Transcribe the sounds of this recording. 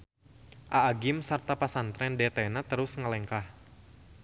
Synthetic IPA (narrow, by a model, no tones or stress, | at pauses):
ʔaːɡɪmsərt̪apasant̪ɾɛndɛt̪ɛnat̪əɾʊsŋəlɛŋkah